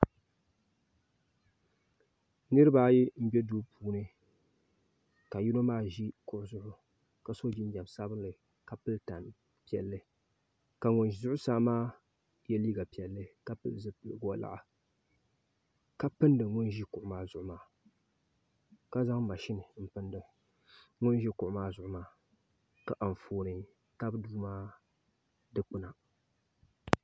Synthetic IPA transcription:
nɨ˦ɾɨ˦ba˦ji˦m̩˦bɛ˦duː˦puː˦nɨ˦ | ka˨ji˦no˦maː˦ʒi˦kʊ˦ʔʊ˦zʊ˦ʔʊ˦ | ka˨so˦d͡ʒi˦n˦d͡ʒa˨msa˦bɨ˦nlɨ˨ | ka˨pɨ˦lta˨n | pi˦˨ɛ˨lːɨ˦ | ka˨ŋʊ˨nzʊ˦ʔʊ˦saː˦maː˦ | jɛ˦liː˦ɡa˨pi˨ɛ˨lːɨ˦ka˦pɨ˦lzɨ˦pɡa˦˨la̰˨ʔa˨ | ka˦pɨ˦ndɨ˨ŋʊ˦nʒi˦kʊ˨ʔʊ˦maː˦zʊ˨ʔʊ˦maː˨ | ka˦za˦ŋ˦a˨ʃɪ˦nɨ˨m̩˦pɨ˦ndɨ˨ | ŋʊ˦nʒi˦kʊ˨ʔʊ˦maː˦zʊ˨ʔʊ˦maː˨˦ | ka˨ʔa˨ɱ˨foː˨nɨ˨ | ta˦bduː˦maː˦ | dɨ˦k͡pʊ˦na˨

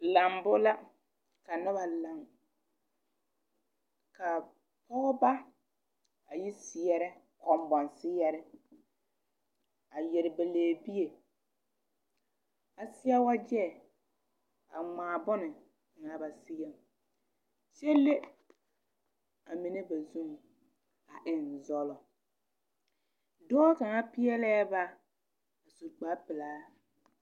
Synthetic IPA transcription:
la˨mbʊ˦la˦ | ka˨nɪ˦βa˨la˨ŋ | ka˨ | pɔ˦ɣɔ˦ba˦ | a˨ji˦sɪ˨ɛ˦ɾɛ˦ | kɔ˨mbɔ˨nsɪ˦jɛ˦ɾɛ˦ | a˨jɛ˨ɾɪ˨be˨leː˨bi˦je˨ | a˨sɪ˦jɛ˦wa˦d͡ʒɛ˦˨ | a̰˨ŋ͡maː˨bɔ˦nɪ˨ | ŋa˨ba˨sɪ˦ɛ˦˨m | sɛ˦le˦ | a˨mi˨ne˦ba˨zu˦ŋ˨ | a˨ʔɪ˨n˨zɔ˦lɔ˨ | dɔː˦ka˨ŋa˦pɪ˦ɛ˦lɛː˦ba˦ | a˨su˨ɾk͡paː˦pɪ˨laː˦

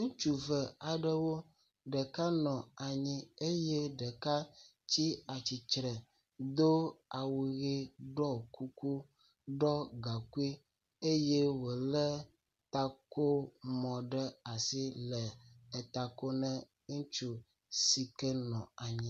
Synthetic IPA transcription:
ŋũ˦t͡ʃu˦vɛ˨a˨ɖɛ˦wo˦ | ɖɛ˨ka˦nɔ̃˨a˨ɲĩ˦e˦je˦ɖɛ˨ka˦ | t͡ɕi˦a˨t͡ɕi˨t͡ʃɾɛ˨ | d̪o˦a˨wu˨ɣi˦ɖɔ˦ku˦ku˦ | ɖɔ˦ɡa˨ku˦i˦ | e˦je˦wo˨lɛ˦ | t̪a˦ko˦mɔ̃˨ɖɛ˦a˨si˦lɛ˨ɛ˨t̪a˨ko˦nɛ̃˦ | ŋũ˦t͡ʃu˨ | si˨kɛ˦nɔ̰̃˨a˨ɲĩ˦

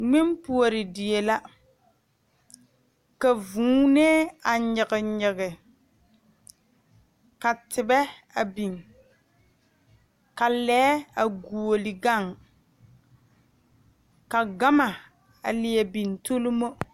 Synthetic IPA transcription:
ŋɪ˦mpu˨o˨ɾɪ˨dɪ˨e˨la˦ | ka˨vũː˨˦ne˦a˨ɲɪ˨ɣɪ˨ɲɪ˨ɣɪ˨ | ka˨tɪ˨bɛ˦ | a˨bi˨ŋ | ka˨lɛː˦a˨ɡu˨o˨lɪ˨ɡa˦˨ŋ | ka˨ɡa˦ma˨ | a̰˨lɪ˨e˨bi˨n˨to˦lu˦mo˦

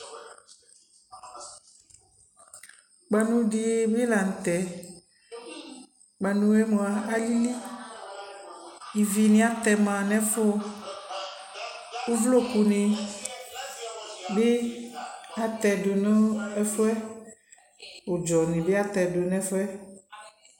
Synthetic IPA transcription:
k͡pa˨nũ˦ɖi˦e˦be˦la˨n̩˨t̪ɛ˨ | ɡ͡ba˨nũ˦e˦mõ˨a˨a˨li˦li˦ | i˨vi˨nĩ˦a˦t̪ɛ˨mã˨nɛ̃˦fo˦ | wo˦vlo˦ku˨nẽ˨ | be˦ | a˨t̪ɛ˨do˨nɔ̃˦ɛ˦fo˦ɛ˦ | wo˨d͡ʒɔ˨nẽ˨be˦a˦t̪ɛ˨do˨nɛ̃˦fɛ˦

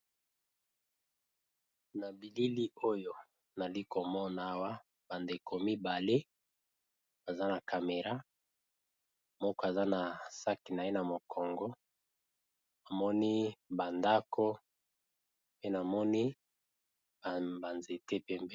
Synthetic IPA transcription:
na˨bi˨li˦li˦o˦jo˦ | na˨li˦ko˨mɔ˦na˦wa˦ | ba˨nde˨ko˨mi˦ba˨le˦ | ba˨za˦na˨ka˨me˨ʁa˦ | mɔ˦kɔ˦a˨za˦na˨sa˦ki˨na˨je˦na˨mo˨kʰɔ˨ŋɡɔ˦ | na˨mɔ˦ni˦ba˨nda˦kʰo˦ | pe˦na˨mɔ˦ni˦˨ | ba˨nze˨te˦pe˦mbe˦

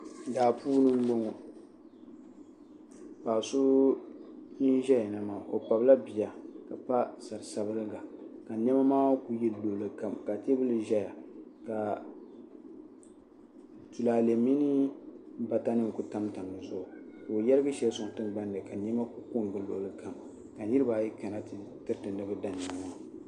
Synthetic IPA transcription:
daː˨puː˦nɨ˦m̩˦bo˦ŋo˨ | paː˨so˦ | ni˦n˦ʒɛ˦ja˨nɨ˨ma˨ʔo˨pa˨bla˦bi˨ja˨ka˨pa˦sa˨ɾɨ˨sa˨bɨ˦lɨ˦ɡa˨ka˨ɲɛ˦ma˦maː˦ku˦jɛ˦lloː˨lɨ˨ka˨mka˨te˦bɨ˦lɨ˨ʒɛ˦ja˨ka˨ | tu˨laː˨le˨mi˦nɨ˦ba˨ta˦nɨ˦ŋ˨ku˦ta˦mta˨mnɨ˨zʊ˦ʔʊ˨ka˨o˨jɛ˦ɾɨ˦ɡɨ˦ʃɛ˦lsʊ˨ŋ˨tɨ˦nɡ͡ba˦ndɨ˨ka˨ɲɛ˦ma˦ku˦ku˦ŋ˨ɡɨ˨lo̰˨lɨ˦ka˨m | ka˨ɲi˦ɾɨ˦baː˨jɛ˦ka˨na˦ttɨ˦ɾtɨ˨nɨ˦bɨ˦da˨n˨a˨m˨wa˨˦

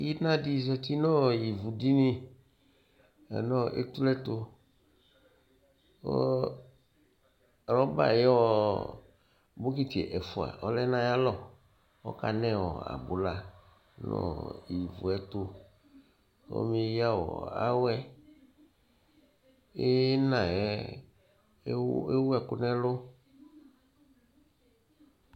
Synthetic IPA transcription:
ji˦nã˦di˦zɛ˨t̪i˦nɔ̃˦ji˨vu˨di˦nĩ˦ | ɛ̰˨nɔ̃˦ʔḛ˦t̪u˦lɛ˦t̪o˦ | wɔ̰˦˨ | ɾɔ˦ba̰˨je˦wɔ˦ | bo˦ki˦t̪i˨ḛ˨ʔɛ˨fu˨a̰˨ɔ˦lɛ˦nã˦ja˦lɔ˦ | ɔ̰˦ka˨nɛ˦wɔ˨a̰˨bu˨la˦ | nɔ̰˦˨i˨vṵ˨ɛ˦t̪o˦ | ɔ̰˦me˦ja˦wɔ̰˨a̰˦wɛ˦ | e˦nã˨ɛ˦ | e˦wu˦ɛ˨kʊ˦nɛ˦lo˦

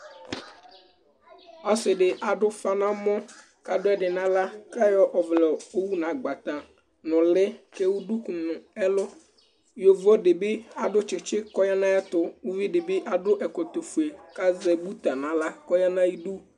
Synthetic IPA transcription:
ɔ˦sɪ˨ɖɪ˨ʔa˨dʊ˦fa˦nã˦mɔ̃˦ | ka˨dʊ˦ɛ˦ɖɪ˨nã˦la˦ka˦jɔ˦ʔɔ˨vlɛ˨o˦wu˦nã˨ɡ͡ba˨t̪ã˨ | nʊ̃˨lɪ˦kɛ˦wu˦du˦ku˨nʊ̃˨ɛ˦lʊ˦ | jo˨vɔ˦dɪ˨bɪ˦a˨dʊ˦t͡ʃɪ˨t͡ʃɪ˦kɔ˦ja˦nã˦ɛ˦t̪ʊ˦wu˦vi˦dɪ˨bɪ˦ʔa˨dʊ˦ʔɛ˨kɔ˨t̪o˨fu˨e˨ka˦zɛ˨bu˦t̪a˨nã˨la˦kɔ˦ja˦nã˦ji˦du˦

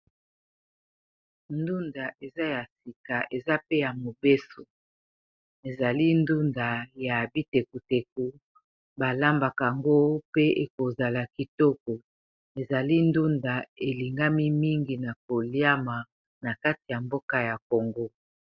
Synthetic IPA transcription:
ndu˦nda˨ʔe˨za˦ja˨si˨ka˨ʔe˨za˦pe˦ja˨mo˨be˦so˨ | e˨za˨li˦ndu˦nda˨ja˨bi˦te˨ku˨te˨k̚u˨ | ba˨la˦mba˨ka˨ŋɡo˦pe˦ʔe˨ko˨za˨la˨ki˨tɔ˦kɔ˨ | e˨za˨li˦n˦du˦nda˨e˨li˨ŋɡa˦mi˦mi˦ŋɡi˨na˨ko˨lja˦ma˨ | na˨ka˦ti˨ja˨mbo˦ka˦ja˨ko˨ŋɡo˦

